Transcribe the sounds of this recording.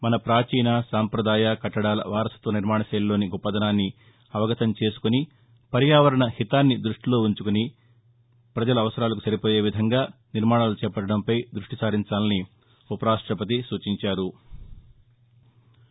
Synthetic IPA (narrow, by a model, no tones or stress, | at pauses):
mɐnɐpɾaːt͡ʃiːnɐsaːmpɾɐd̪aːjɐkɐʈːɐɽaːlɐ̰ʋaːɾɐsɐ̥t̪ʋɐniɾmaːɳɐsɐːllːoːniɡɔpːɐd̪ɐnaːnːi | ɐʋɐɡɐt̪ɐmt͡ʃe̞ːsu̥kuni | pɐɾjaːʋɐɾɐɳɐhit̪aːnːid̪ɾuʂʈilo̞ːuɲt͡ʃukuni | pɾɐd͡ʒɐlɐɐʋɐsɐɾaːlɐk̬usɐɾipo̞ːje̞ːʋid̪ʱɐŋɡaːniɾmaːɽɳaːlut͡ʃɛːpɐʈːɐɽɐmpɐjd̪ɾuʂʈisaːɾiɲt͡ʃaːlɐni | upɐɾaːʂʈɾɐpɐt̪̬isuːt͡ʃiɲt͡ʃaːɾu